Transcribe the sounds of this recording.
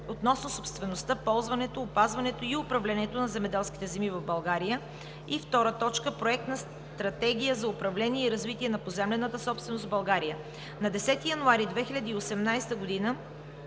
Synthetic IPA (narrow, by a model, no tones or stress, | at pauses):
ot̪nɔsnosopst̪vɛnost̪əpɔlˠzvɐnɛt̪oːpazvɐnɛt̪oiʊpɾɐvlɛniɛt̪onɐzɛmɛd̪ɛlˠsk̟i̥t̪ɛzɛmivɐvbɐlˠɡaɾijə | ift̪ɔɾət̪ɔt͡ʃkəpɾoɛk̚t̪nɐs | t̪ɾɐt̪ɛɡʲijəzɐʊpɾɐvlɛniɛiɾɐzvit̪iɛnɐpozɛmlɛnət̪əsɔpst̪vɛnost̪vbɐlˠɡaɾijə | nɐd̪ɛsɛt̪ijɐnʊaɾid̪vɛxilʲɐd̪iːosɛmnajst̪əɡod̪inə